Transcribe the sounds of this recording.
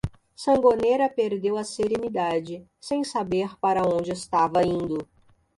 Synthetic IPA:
sɐ̃ŋɡoneɾɐpeɾd̪ewɐseɾenid̪ad͡ʒɪ | sẽj̃sabeɾpaɾɐõnd͡ʒɪɪst̪avɐĩnd̪ʊ

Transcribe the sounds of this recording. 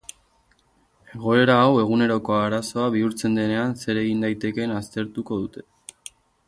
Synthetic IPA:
e̞ɣo̞e̞ɾaːwe̞ɣ̞une̞ɾo̞ko̞aɾaso̞aβ̞iuɾt͡se̞nd̪e̞ne̞anse̞ɾe̞ɣind̪ajt̪e̞ke̞nast̪e̞ɾt̪uko̞ðut̪e̞

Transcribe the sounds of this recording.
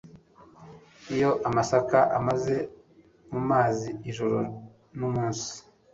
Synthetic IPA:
ijo̞ʔamasakaʔamaze̞ | mumaːziiʒuɾo | numuːnsi̥

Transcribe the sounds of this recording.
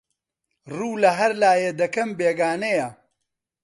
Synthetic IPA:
ruːlɐɦɐɾlaːjed̪ɐkɐmbeːɡaːnejɐ

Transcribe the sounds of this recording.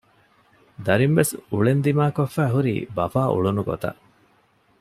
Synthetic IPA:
d̪ɐɾimʋesuɭend̪imaːkofːæːɦuɾḭːbɐfaːʔṵɭunuɡo̰t̪ɐ̰ʔ

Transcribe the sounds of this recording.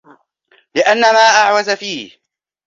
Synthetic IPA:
lɪʔanːamaːʔaʕwazafiːh

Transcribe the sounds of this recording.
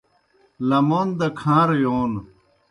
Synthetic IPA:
lɐmoːnd̪ɐkʰãːɾjoːn

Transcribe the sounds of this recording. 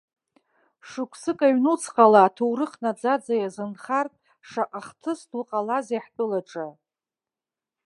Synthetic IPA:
ʂɨkʷʰsɨkʼaɥnut͡sʰqʼalaːtʰowɾɨχnad͡zad͡zajazɨnχartʼ | ʂaqʼaχtʰɨstʰwqʼalazeħtʼɨlaʈ͡ʂʼa

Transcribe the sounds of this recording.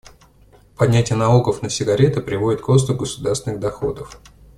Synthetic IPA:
pɐdʲnʲætʲɪjənɐlˠo̞ɡəfnəsʲɪɡɐɾʲet̪ɨpɾʲɪvo̞dʲɪt̪̚kos̬t̪ʊɡəsʊd̪arst̪vʲɪnɨɣd̪ɐxo̰d̪əf

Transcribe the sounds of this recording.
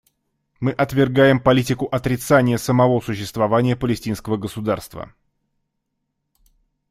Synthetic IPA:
mɨʔɐt̪vʲɪrɡajɪmpɐlʲitʲɪkʊʔɐt̪ɾʲɪt̪sanʲɪjəsəmɐvo̞sʊɕːɪst̪vɐvanʲɪjəpəlʲɪsʲtʲinskəvəɡəsʊd̪arst̪və̰

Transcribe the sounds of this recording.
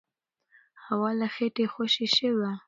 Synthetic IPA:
hawɑlaxeʈexoʃiʃəwa

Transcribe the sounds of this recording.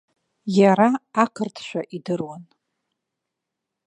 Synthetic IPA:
jaɾaːkʰɨrtʰʃʷᶣaʔidɨrwan

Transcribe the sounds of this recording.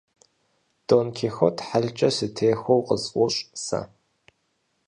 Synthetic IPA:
d̥oːnkʲʰexotʰħaɮt͡ʃʼɐsɨtʰeːxowqʼəzqʷʼɔɕʼsa̰

